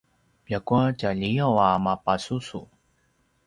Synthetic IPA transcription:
pjakuat͡ɕaʎiawamapasusu

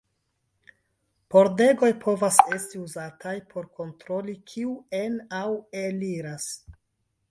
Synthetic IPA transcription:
po̞ɾde̞ɡo̞jpʰo̞vase̞stiuzatajpʰo̞ɾko̞ntɾo̞likʰiuenaweliɾas

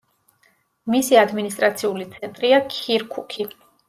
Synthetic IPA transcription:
misiad̪minis̬t̪ʼɾat̪sʰiulit̪sʰɛnt̪ʼɾiakʰiɾkʰukʰi

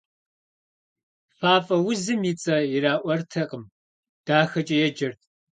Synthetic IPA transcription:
faːfʼɐwʊzɨmjit͡sʼɐjiraːʔʷɐrtʰɐqʼəm | d̥aːxɐt͡ʃʼɐjɛd͡ʒɐrt̚ʰ

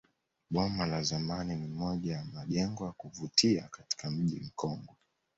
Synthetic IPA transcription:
ɓɔmalazamaninimɔʄajamaʄɛŋɡɔjakuvutʰiakati̥kam̩ʄḭm̩kɔŋɡɔ

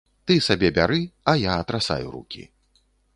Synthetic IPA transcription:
t̪ɨsabʲɛbʲaɾɨɐjaːt̪ɾasa̰juɾṵkʲḭ

